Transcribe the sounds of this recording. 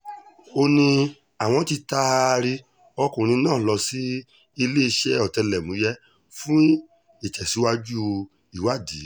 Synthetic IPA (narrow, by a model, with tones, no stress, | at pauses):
o˧nĩ˧ | a˨w̃ɔ̃˧˦ti˧ta˧ɾi˧ | ɔ˧kũ˨ɾ̃ĩ˧˦nãː˦˨lɔ˧si˦ | i˧le˦i˧ʃɛ˦ɔ˨tɛ˧lɛ˨mũ˨˦jɛ˦ | fũ˦ | i˦˨t͡ʃɛ˨si˨˦wa˦d͡ʒu˦o˧ | i˦˨wa˦˨di˨˦